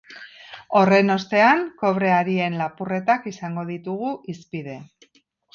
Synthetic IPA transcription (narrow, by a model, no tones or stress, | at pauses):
o̞re̞no̞st̪e̞aŋko̞βɾe̞aɾie̞nlapure̞t̪akisaŋɡo̞ðit̪uɣuʔispiðe̞